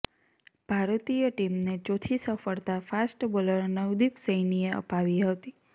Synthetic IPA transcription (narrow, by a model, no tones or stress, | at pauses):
b̥ʱaɾt̪ijəʈimnet͡ʃot̪ʰisəfəɭt̪afasʈboləɾnəwd̪ifsəjnieə̰paʋiɦət̪i